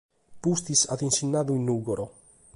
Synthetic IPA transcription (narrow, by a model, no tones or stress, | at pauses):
pust̪isad̪insinːaðuinːuɡoɾo